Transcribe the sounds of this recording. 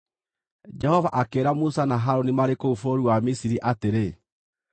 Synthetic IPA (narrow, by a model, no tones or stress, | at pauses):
d͡ʒɛhɔvaʔakeːɾamusanaɦaɾonimaɾekoufoɾuwamisiɾiʔateɾe